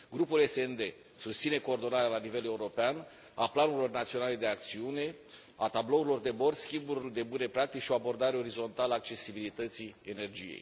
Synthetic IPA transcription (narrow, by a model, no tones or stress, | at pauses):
ɡɾupule̞send̪e̞ | sust̪sine̞ko̞ːrd̪o̞naɾealanive̞le̞uɾo̞pean | aplanuɾilo̞rnat̪sio̞nale̞d̪e̞ak̚t̪siune̞ | at̪ablo̞uɾilo̞rd̪e̞bo̞rskʲimburʲd̪e̞bune̞pɾak̚t̪ikʃio̞abo̞rd̪aɾeo̞ɾizo̞nt̪alaːk̚t͡ʃe̞sibilit̪ət̪siene̞rd͡ʒijḛj